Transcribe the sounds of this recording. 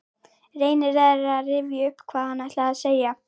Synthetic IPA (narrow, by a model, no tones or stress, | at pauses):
reːjnɪɾɛðɾɾaðrɪvjaʏhpːkʰvaːðhanːaht̪laaðseːja